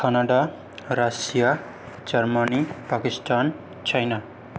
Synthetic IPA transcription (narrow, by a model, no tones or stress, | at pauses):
kʰanaɖa | rasija | d͡zʌrmʌnipakistan | t͡sʰajna